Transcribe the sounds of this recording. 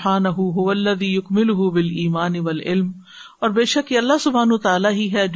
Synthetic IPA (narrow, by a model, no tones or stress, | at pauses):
ħaːnɐɦuɦʊʋɐlːɐðiːjʊkmɪlʊɦʊbɪliːmaːnɪʋɐlʔɪ̰lm | ɔːɾbeːʃɐkjeɐlːaɦsʊbʱaːnʊɦut̪aːlaɦiɦɛd͡ʒ